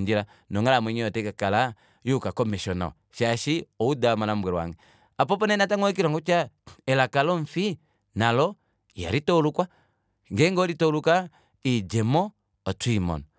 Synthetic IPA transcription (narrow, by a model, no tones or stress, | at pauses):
nd͡ʒiɾa | nɔŋalamɛɲiɔtɛkakala | jukakɔmiʃɔna̰ɔ̰ | ʃaʃiɔudamalam̩bwɛɾwa̰ŋɡɛ | ap̬ɔpɔnɛnataŋɔɛk̬iɾaŋɡɔt͡ʃaɛlakalɔɱfi | nalɔ | ja̰ɾitɔlukwa | ŋɡɛŋɡɔɾitɔluka | id͡ʒɛmɔ | ɔtwimɔ̰n